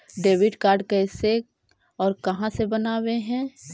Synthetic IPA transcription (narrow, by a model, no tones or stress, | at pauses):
ɖeːʋɪɖkaːɾɖkɛːse | ɔːɾkɐɦãsebɐnaːweɦɛ̃ː